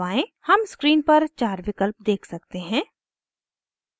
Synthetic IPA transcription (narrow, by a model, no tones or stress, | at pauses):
aːẽhɐmskɾiːnpɐɾt͡ʃaːɾʋɪkəlp̚d̪eːkʰsɐk̚t̪eɦɛ̃ː